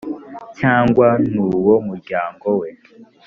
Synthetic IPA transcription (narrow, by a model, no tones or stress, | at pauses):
caːŋɡwanuːwomuɾɟaːŋɡo̞we̞